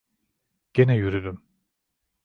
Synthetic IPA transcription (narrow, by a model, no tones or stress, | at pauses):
ɟ̥enɛjyɾyd̪ym